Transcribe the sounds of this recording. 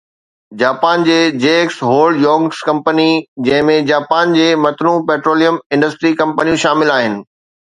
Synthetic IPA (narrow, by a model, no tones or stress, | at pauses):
d͡ʑaːpaːnd͡ʑeːd͡ʑeːksɦoːlɖjɔːŋskɐ̃mpənid͡ʑɐ̃ɦɪ̃mẽd͡ʑaːpaːnd͡ʑeːmɐt̪ɾũpeːʈɾoːlijəmɪ̃ɳɖəsʈɾikɐ̃mpənijũʃaːmɪlaːɦɪnɪ̆